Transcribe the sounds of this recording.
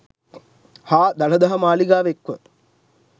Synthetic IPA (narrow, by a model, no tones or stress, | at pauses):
haːd̪ɐɭɐd̪ɐɦɐmaːliɡaːʋekʋə